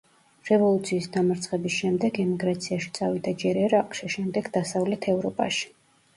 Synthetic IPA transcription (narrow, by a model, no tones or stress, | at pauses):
ɾɛvɔlˠut̪sʰiːsd̪amaɾt̪sʰʼχʼɛbisʃɛmd̪ɛɡɛmiɡɾat̪sʰiaʃi̥t̪sʼavid̪ad͡ʒɛɾɛɾaqʼʃiʃɛmd̪ɛɡd̪asavlɛt̪ʰɛvɾɔpʼa̰ʃi̥